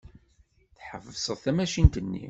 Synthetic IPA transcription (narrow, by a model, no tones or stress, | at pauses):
θħəvəsˤəðˤθæmæʃint̪ənːḭ